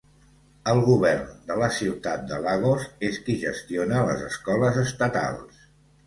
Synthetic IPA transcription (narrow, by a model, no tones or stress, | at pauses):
əlˠɣuβɛrnd̪ələsiwt̪at̪̚d̪əlaɣ̞ozeskiʒəst̪ionələ̰zəskɔləzəst̪ət̪a̰lˠs